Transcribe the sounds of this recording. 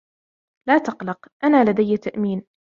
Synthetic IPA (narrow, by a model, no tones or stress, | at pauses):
laːt̪ɑqlɑqʔanaːlad̪ajːt̪aʔmiːn